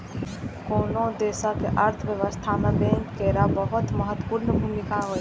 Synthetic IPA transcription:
koːnod̪eːsakeʔəɾt̪ʰəʋjəʋəst̪ʰamebẽŋkːeɾabəɦʊt̪məɦət̪wpuɾnəbʱumikaɦoːj

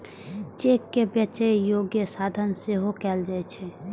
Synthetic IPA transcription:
t͡ʃeːkːebjət͡ʃəjoːɡjəsaːd̪ʱənseɦokɛːld͡ʒaet͡ʃʰɛ

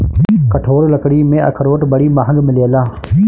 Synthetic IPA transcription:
kəʈʰoːɽləkɽiːmẽʔə̰kʰəɾoːʈbəɽiːmaːɦə̃ŋɡmɪleːəlaː

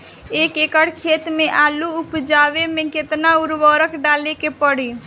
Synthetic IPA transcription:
ekekəɽkʰet̪meʔaluupd͡ʒaʋemeket̪nauɾbəɾəkɖalekepəɽi

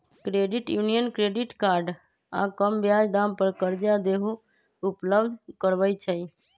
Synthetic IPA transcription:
kɾeːɖɪʈjuːnijənkɾeːɖɪʈkaːɾɖ | ã̰kəmbjaːd͡ʒd̪aːmpəɾkəɾd͡ʒad̪eːɦo | ʊpləbd̪ʱkəɾʋəit͡ʃʰəi

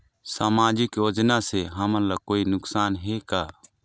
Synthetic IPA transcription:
saːmaːd͡ʒɪkjoːd͡ʒnaseɦəmənlakoːinʊksaːnɦekaː

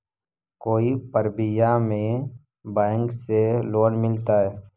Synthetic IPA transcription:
koːipəɾbɪjamẽ | baːŋkseloːnmɪlt̪aɦɛː

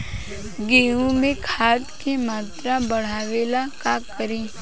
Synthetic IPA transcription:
ɡeːũmẽkʰaːt̪kemaːt̪ɾabəɽ̤aːʋeːlakaːkːəɾĩː

